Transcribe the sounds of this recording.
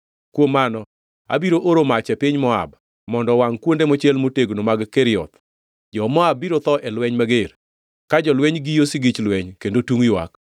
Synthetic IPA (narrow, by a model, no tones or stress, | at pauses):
kwomːanɔ | a̰biɾoʔoɾomat͡ʃɛpɪɲmɔa̰b | mɔndɔwaŋkwondemot͡ʃɛlmoteɡnomaɡkɛɾɪɔ̰t̪ | d͡ʒɔmɔabːiɾot̪ɔʔɛlwɛɲmaɡeɾ | kad͡ʒɔlwɛɲɡijosiɡɪt͡ʃlwɛɲkendotuŋjwa̰k